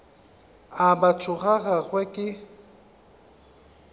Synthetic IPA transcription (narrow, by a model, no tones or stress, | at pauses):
abat͡sʰʊχaχaχwɛkʼɪ